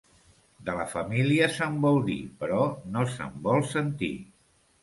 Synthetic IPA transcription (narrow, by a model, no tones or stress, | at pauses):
d̪ələfəmiliəsəmbɔlˠd̪ipəɾɔnosə̰mbɔlˠsənt̪ḭ